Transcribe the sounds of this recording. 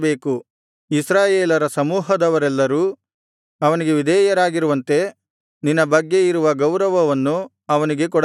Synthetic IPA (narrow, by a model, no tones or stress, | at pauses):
beːku | isɾaːjeːlɐɾɐsɐmuːɦɐd̪ɐʋɐɾɛlːɐɾuː | ɐʋɐniɡe̞ʋid̪ɛːjɐɾaːɡiɾuʋɐnt̪e̞ | ninːɐbɐɡːe̞iɾuʋɐɡɐwɾɐʋɐʋɐnːu | ɐʋɐniɡe̞k̬ɔɽ